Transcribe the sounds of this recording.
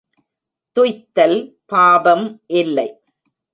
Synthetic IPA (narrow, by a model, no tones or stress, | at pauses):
t̪ʊjt̪ːɐl | paːbɐmʔɪlːɐɪ